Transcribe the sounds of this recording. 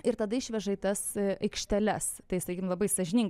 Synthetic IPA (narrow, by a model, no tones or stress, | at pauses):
ɪɾt̪ɐd̪ɐɪʃʲʋʲɛʒɐit̪ɐsɐɪkʃʲt̪ʲɛlʲɛst̪ɐɪsɐkʲikʲɪmlˠɐbɐɪsɐʒʲɪnʲɪŋ